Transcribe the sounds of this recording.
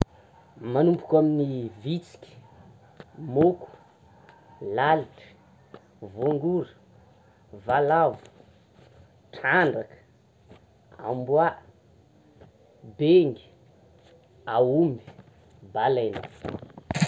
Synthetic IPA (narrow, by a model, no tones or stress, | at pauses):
manumpukʲaminivit͡si̥kʲə̥ | moku̥ | laliʈ͡ʂə̥ | voŋɡuɾə | valavu̥ | ʈ͡ʂʰaɳɖ͡ʐakə̥ | a̰mbwa | beŋɡi̥ | awumi̥ | balaena̰